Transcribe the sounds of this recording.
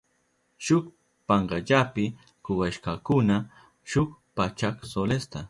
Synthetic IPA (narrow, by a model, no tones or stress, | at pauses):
ʃʊk | paɴɢɑʎapɪ | kʊwaʃkɑkʊna | ʃʊkpat͡ʃaksolest̪a